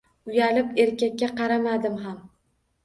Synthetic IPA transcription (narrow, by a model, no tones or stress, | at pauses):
ʊjalɪpe̞ɾkʲakʲːaqɑɾamad̪ɪmɦam